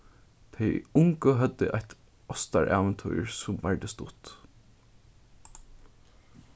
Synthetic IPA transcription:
t̪ʰɛjʊŋkəɦœt̪ːɪ̰ʔaçt̪ | ɔst̪a̰ɹʔaːʋɛnt̪ʰṵjɹsʊmʋæɹd̪əst̪ʊ̰t̪

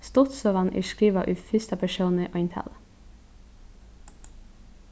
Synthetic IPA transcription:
st̪ɔt̪soːʋɑnʔḭʃkɾiːʋɑʔʉːfʏst̪ɑpʰæʃuːnəʔɔɪnt̪ʰæ̰l

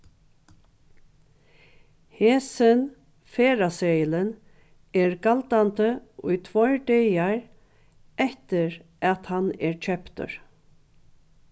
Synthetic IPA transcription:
hɛːsɪn | feːɾaseːjələn | ɛɹɡalt̪ant̪əʊjt̪ʰvɔjɹɖɛjaɹ | ɛht̪ɪɹʔæt̪hanɛɹt͡ʃʰœpt̪ʏ̰ɹ

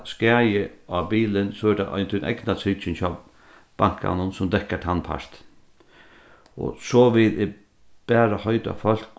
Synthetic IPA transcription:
skɛːjəabiːlɪnsɔɛdaʔɔ̰ɪnt̪ʰʊnʔɛ̰ɡnasʰɪt͡ʃɪnt͡ʃʰaː | b̥aŋ̥ka̰nʊnsʊmd̪ɛhkat̪ʰanpʰa̰ɹ̥t̪ | ɔ̰sɔːʋɪt̪ɪ | b̥æːɾahœʏt̪a̰fœl̥k

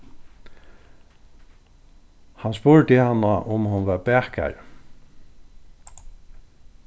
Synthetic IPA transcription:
hanspʊɹt̪ɪhanːaʔʊmhʊnʋaɹbɛːhka̰ɹ

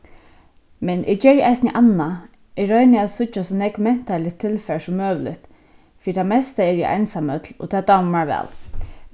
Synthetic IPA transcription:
mɛnʔɪ̰d͡ʒɛːɾjʔaɪsnəʔanːa | ɪɹœʏnɪaðsʊt͡ʃːasɔnɛkmɛn̥t̪alɪt̪ʰːɪlfɛɹsɔmːøːʋlɪ̰t̪ | fiːɾt̪ʰamɛst̪aɛɹja̰ʔa̰nsamœt̪lɔ̰t̪ʰɛːd̪ammaɹʋɛ̰ːl

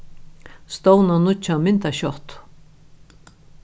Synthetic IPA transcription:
st̪ownanut͡ʃʰːamɪnt̪aɕɔht̪

